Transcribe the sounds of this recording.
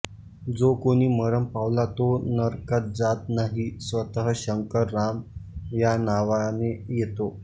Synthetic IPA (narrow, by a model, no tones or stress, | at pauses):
d͡zokoɽ̃iːməɾəmpaʋlat̪onəɾkət̪̚d͡zat̪̚naɦisʋət̪əɦəɕəŋkəɾːamjanaʋanejet̪o